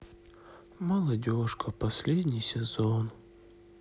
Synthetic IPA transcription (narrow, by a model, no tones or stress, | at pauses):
mɐlˠɐdʲoʂkəpɐsʲlʲedʲnʲɪjsʲɪzon